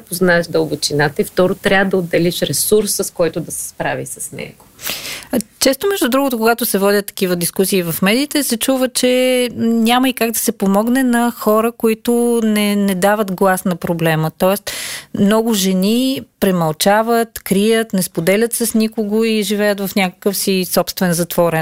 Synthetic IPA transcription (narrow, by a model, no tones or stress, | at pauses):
poznaɛʃd̪əlˠbot͡ʃinat̪əift̪ɔɾot̪ɾʲavəd̪ɐod̪ːɛliʃɾɛsuɾsəskɔjt̪ʊd̪ɐsɛ̥spɾavḭsɐsnɛ̰ɡo | t͡ʃɛst̪omɛʒd̪ud̪ɾuɡʊt̪okoɡat̪ʊsɛvɔdʲət̪ːɐ̥k̟ivəd̪iskusiːvɐfmɛd̪iːt̪ɛsɛt͡ʃuvət͡ʃɛnʲaməikaɡd̪ɐsɛpomɔɡnɛnɐxɔɾəkoit̪ʊnɛnɛd̪avət̪ɡlˠasnɐpɾoblɛmət̪ɔɛst̪mnɔɡʊʒɛnipɾɛmɐlˠt͡ʃavət̪kɾijət̪nɛspod̪ɛlʲət̪səsnikoɡoiʒivɛjət̪vɐfnʲakə̥kəfsisɔpst̪vɛnzɐt̪v̥ɔɾɛn